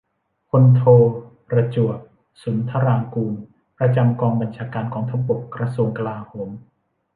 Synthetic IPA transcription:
pʰo˧nt̪ʰoː˧pɾa˧t͡ɕu˨˩ək̚ | su˩˦nt̪ʰa˧ɾaː˧ŋkuː˧n | pɾa˧t͡ɕa˧mkɔː˧ŋba˧nt͡ɕʰaː˧kaː˧nkʰɔː˩˦t̪ʰa˧˥po˨˩kɾa˧su˧əŋka˧laː˧hoː˩˦m

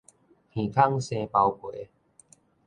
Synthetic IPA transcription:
pʰĩ˨˩kʰa˥˨ŋsẽ˧pa˧wkwe˨˦

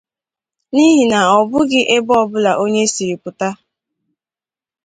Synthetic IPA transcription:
ni˦ɦi˨na˨ɔ˨bʊ˦ɡɪ˦ʔe˦bɔ˦bʊ˦la˨ʔo˦ɲe˦si˨ɾi˨pʊ˨ta˦

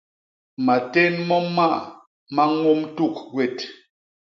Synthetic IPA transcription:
ma˨te˦nmɔ˦ma˦ʔ | ma˦ŋo˦mtu˦˨k̚ɡwɛ˨t

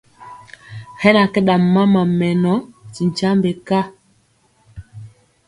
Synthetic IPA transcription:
hɛ˦na˨kɛ˦ɗa˨m˨ma˦ma˨mɛ˨nɔ˦ti˨n˨t͡ʃa˦mbe˨ka˦

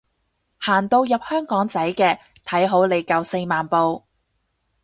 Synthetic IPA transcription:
haː˨˩nt̪o˧wjɐ˨p̚hœː˥ŋkɔː˨˥ŋt͡sɐ˨˥jkɛː˧ | t̪ʰɐ˨˥jɦo˨˥wle˨˧jkɐ˨˧wse˧jmaː˨npo˧w

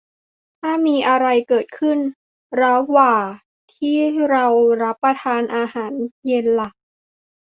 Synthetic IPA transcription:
t̪ʰaː˥˩miː˧ʔa˧ɾa˧jkɤː˨˩t̪̚kʰɯ˥˩n | ɾa˦˥waː˨˩ | t̪ʰiː˥˩ɾa˧wɾa˦˥pːɾa˧t̪ʰaː˧nʔaː˧haː˩˦nje˧nla˨˩ʔ̚

